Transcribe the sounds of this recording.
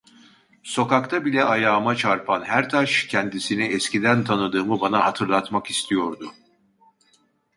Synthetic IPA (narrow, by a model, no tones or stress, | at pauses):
so̞kakt̪ʰabilʲɛʔajaːmat͡ʃʰaɾpʰanɦæɾt̪ʰaʃcʰɛnd̪isiniɛscid̪ænt̪ʰanɯd̪ɯːmɯbanahat̪ʰɯɾlˠat̪makist̪ʰijo̞ɾd̪ʊ